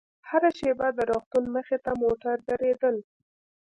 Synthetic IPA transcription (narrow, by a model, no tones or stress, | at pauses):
haɾaʃebad̪əɾɑxt̪unməxet̪amoʈaɾd̪aɾed̪əl